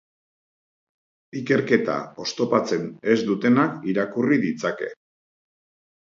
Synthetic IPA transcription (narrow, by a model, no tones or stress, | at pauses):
ike̞ɾke̞t̪a̰o̞st̪o̞pat͡se̞ne̞zd̪ut̪e̞nakiɾakuriðit͡sake̞̰